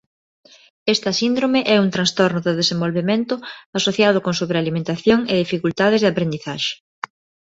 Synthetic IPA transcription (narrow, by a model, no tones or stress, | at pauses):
est̪ɐsind̪ɾomeʔɛuŋt̪ɾãnst̪oɾnʊðɪðesẽmbolβemẽnt̪ʊasoθjaðʊkõŋsuβɾealimẽnt̪aθjoŋeðifikult̪aðɪzðeapɾend̪iθaʃe̥